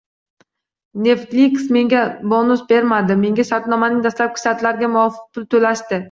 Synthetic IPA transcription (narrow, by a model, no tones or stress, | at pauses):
ne̞ft̪liksme̞ŋɡʲabonʊsbe̞ɾmad̪ɪme̞ŋɡʲaʃaɾt̪nɒmanɪŋd̪ast̪lap̚kʲʰɪ̥ʃat̪laɾɡʲamʊɒfɨ̥q̚pʰʊlˠt̪ʰɵlaʃt̪ɪ